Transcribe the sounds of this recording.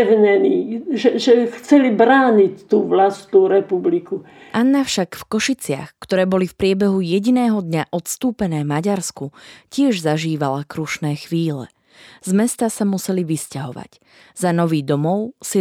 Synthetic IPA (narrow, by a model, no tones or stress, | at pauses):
ɦɲɛniːʒɛʒɛxt͡sɛlibɾaːɲict̪uːʋlast̪nuːɾɛpubliku | ʔanːafʃakfkɔʃit͡sɪa̰xkt̪ɔɾɛːbɔlifpɾɪɛbɛɦujɛɟinɛːɦɔd̪ɲaʔɔt̪st̪uːpɛnɛːmaɟaɾskucɪɛʒzaʒiːʋalakɾuʃnɛːxʋiːlɛ̰ | z̥mɛst̪asamusɛliʋiscaɦɔʋa̰c | z̥anɔʋiːd̪ɔmɔʊsi